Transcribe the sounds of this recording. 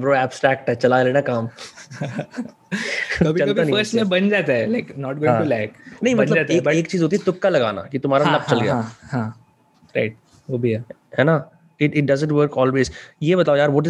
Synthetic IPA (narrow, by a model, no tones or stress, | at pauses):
bɾoːɛːbsʈɾɛːk̚ʈɦɛt͡ʃɐlaleːnakaːm | kɐbʱit͡ʃɐlkɐbianɦəɾsənebɐnd͡ʒat̪aɦɛlaɪknɔːʈ̚ɡoːɪɦŋãʈulɛːknɐɦĩmɐnld͡ʒat̪ːkɐeːkt͡ʃiːzɦot̪iɛt̪ʊkːalɐɡaːna̰kit̪ʊmɦaːɾalɐb̚t͡ʃɐlɡɐjahã | ɾaɪʈ̚ | ʋoːbʱiɛ | ɦɛːna | ɪʈɪʈ̚ɖɐzə̃ɳʈʋəɾkɔːlʋeːzjebɐt̪aːojaːɾʋɔːʈ̬ɪ